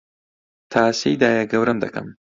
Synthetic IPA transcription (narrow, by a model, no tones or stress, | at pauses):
t̪ʰaːsejd̪aːjɐɡɐwɾɐmd̪ɐkɐ̰m